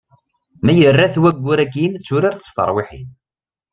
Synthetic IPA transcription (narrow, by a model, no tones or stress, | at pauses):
mæjərːæθwæɡʷːʊɾækːint͡sːuɾaɾθə̥st̪ə̰ɾˤwiħḭn